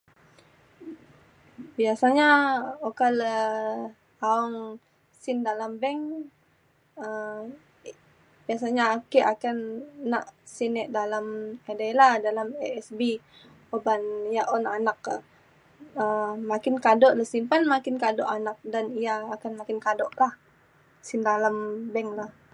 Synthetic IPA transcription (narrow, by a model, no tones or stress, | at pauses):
biasaɲaokalə | aɔŋ | sɪndalambɛŋ | ə | biasaɲakɛʔakanːa̰ʔsinɛʔdalamedalahdalamɛɛsbi | obanijaʔonanaka | əmakɪnkadɔʔləhsinpanmakɪnkadɔʔanak̚danijaːkanmakɪnkadɔʔlah | sɪndalambɛŋlah